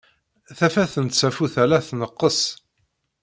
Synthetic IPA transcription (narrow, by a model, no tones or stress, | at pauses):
θæfæθənt̪t͡sːæfuθælæθnəqːəs